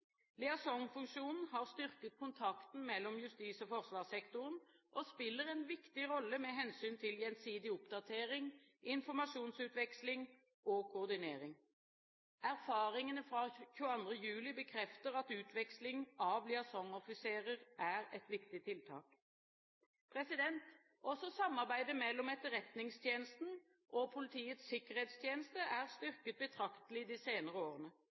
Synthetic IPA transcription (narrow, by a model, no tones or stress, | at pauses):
lɪɑsɔŋfʉŋʂuːnn̩hɑʁst̪ʏʁkət̪̚kʰʊnt̪ʰɑkt̪n̩mɛlːɔmjʉst̪iːsɔfɔʁsʋɑːʁsɛkt̪ʊʁənʔɔspɪlːəʁɛnʋɪkt̪ɪʁɔlːəmɛɦɛnsyːnt̪ʰɪljɛnsiːd̪ɪʊpd̪ɑt̪ʰeːʁɪŋ | ʔɪnfɔʁmɑʂuːnsʉːt̪ʋɛkslɪŋ | okʰʊːʁd̪ɪneːʁɪŋ | æʁfɑːʁɪŋənəfɾɑçʉːəɑnd̪ʁəjʉːlɪbəkʰʁɛft̪əʁɑt̪ʉːt̪ʰʋɛkslɪŋɑʋlɪɑsɔŋɔfɪseːʁəʁʔæʁɛt̪ʋɪkt̪ɪt̪ʰɪlt̪ʰɑ̰ːk | pʰʁɛsɪd̪ɛnt̪ | ɔsɔsɑmːɑʁbæɪd̪əmɛlːɔmɛt̪əʁɛt̪nɪŋst̪ʰjeːnəst̪n̩ | ʔɔpʰʊlɪt̪ʰiːət̪sɪkəʁheːt̪st̪ʰjeːnəst̪əʔæʁst̪ʏʁkət̪̚bət̪ʰʁɑkt̪əlɪd̪iːseːnəʁəoːʁənə